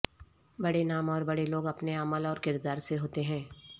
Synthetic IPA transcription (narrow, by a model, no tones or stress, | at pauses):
bɐɽenaːmɔːɾbɐɽeloːɡɐpneəməlɔːɾkɪɾd̪aːɾseɦoːt̪eɦɛ̃ː